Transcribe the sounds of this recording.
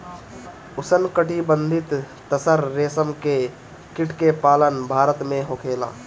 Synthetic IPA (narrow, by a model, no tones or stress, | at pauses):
ʊsənkəʈibə̃nd̪ʱɪt̪ː | əsəɾːeːsəmke | kɪʈʰkepaːlənbʱaːɾət̪mẽɦoːkʰeːla̰ː